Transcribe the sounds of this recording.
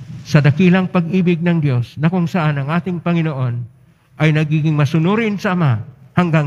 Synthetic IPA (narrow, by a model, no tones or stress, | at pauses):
sɐd̪ɐkilɐŋpɐɡ̚iːbɪɡ̚nɐŋd̪jo̞snɐkʊŋsɐʔanɐŋʔaːt̪ɪŋpɐŋɪnoʔo̞n | ʔɐjnɐɡiːɡɪŋmɐsʊnuːɾɪnsɐʔɐmahɐŋɡaŋ